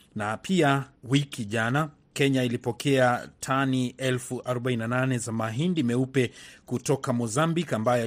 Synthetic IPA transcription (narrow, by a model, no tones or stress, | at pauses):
napʰiawikiʄana | kɛɲailipɔkʰɛatʰaniɛlfuʔaɾɔɓaininananɛzamaɦindimɛupɛkutɔkamɔzambikambaja